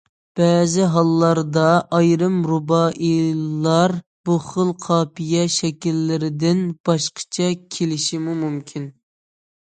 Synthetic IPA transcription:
b̥ɛːzɪɦɑlˠːɑɾd̪ɑʔɑjɾɨmɾubɑʔilːɑɾ | b̥uχəlˠqʰɑːpijɛʃɛkʲilːɪɾɪd̪ɪnb̥ɑʃqʰə̥t͡ʃʰɛkʲʰelɪʃimumumkʲʰin

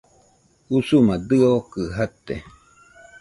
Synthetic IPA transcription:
usumad̪ɨokɨɦat̪ḛ

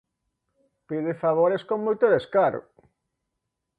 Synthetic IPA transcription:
piðefaβ̞oɾeskoŋmojt̪oðeskaɾo̰

